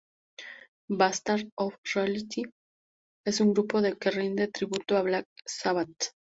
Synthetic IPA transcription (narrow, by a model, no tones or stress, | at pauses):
bast̪aɾofrealit̪i | e̞suŋɡɾupo̞ðe̞kerind̪e̞t̪ɾiβut̪oaβlak̚saβat̪